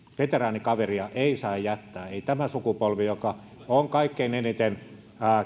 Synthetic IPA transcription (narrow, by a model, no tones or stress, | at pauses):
ʋet̪erɑːnikɑʋeriɑʔeisɑijæt̪ːæːeit̪æmæsukupolʋijokɑ | oŋkɑikːeinenit̪en | æː